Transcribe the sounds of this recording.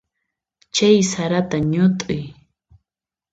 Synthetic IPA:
t͡ʃajsaɾat̪aɲʊt̪ʼʊj

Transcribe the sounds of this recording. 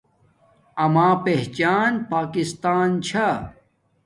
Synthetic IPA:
ɐmaːpeɦt͡ɕaːnpaːkist̪aːnt͡ɕʰa

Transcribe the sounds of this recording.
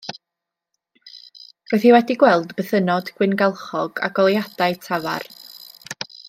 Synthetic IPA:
roɨθiwɛdiɡwɛlˠdbəθənɔdɡ̥wɪnɡalˠχɔɡ̥a̰ɡɔlˠjad̥aɨtʰava̰r

